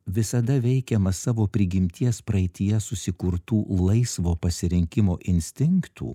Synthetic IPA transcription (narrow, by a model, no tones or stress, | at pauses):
ʋʲɪsɐd̪ɐʋʲɛɪkʲɛmɐsɑːʋoːpʲɾʲɪɡʲɪmʲt̪ʲiɛspɾɐɪt̪ʲɪjɛsʊsʲɪkʊɾt̪uːlˠɐɪsʋoːpɐsʲɪɾʲɪŋʲkʲɪmoːʔɪnʲsʲt̪ʲɪŋkt̪ʰṵː